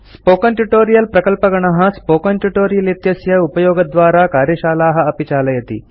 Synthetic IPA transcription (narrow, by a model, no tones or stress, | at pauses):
spoːkɐnʈuʈoːɾijɐlpɾɐkɐlpɐɡɐɳɐɦɐ̆spoːkɐnʈuʈoːɾijɐlit̪jɐsjɐupɐjoːɡɐd̪ʋaːɾaːkaːɾjɐʃaːlaːɦɐ̆ɐpit͡ʃaːlɐjɐt̪ḭ